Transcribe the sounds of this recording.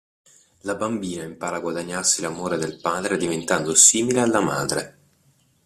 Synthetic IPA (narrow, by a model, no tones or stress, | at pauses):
labambiːnaimpaːɾaɡwad̪aɲːarsilamoːɾed̪elpaːd̪ɾed̪ivent̪and̪osiːmilealːama̰ːd̪ɾe